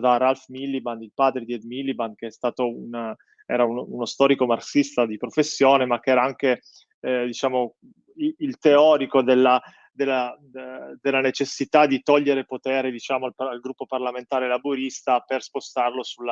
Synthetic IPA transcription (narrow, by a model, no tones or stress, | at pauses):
d̪aralfmilːibanilpaːd̪ɾed̪iɛd̪milːibankeɛst̪aːt̪oun | ɛ̰ːɾaununost̪ɔːɾikomarsist̪ad̪ipɾofesːjoːnemak̟ːeɛːɾaaŋk̟e | d̪it͡ʃaːmo | iilt̪eɔːɾikod̪elːa | d̪elːa | d̪elːanet͡ʃesːit̪ad̪it̪ɔʎːeɾepot̪ɛːɾed̪it͡ʃaːmoalalɡɾupːoparlament̪aːɾelabuɾist̪aperspost̪arlosulːa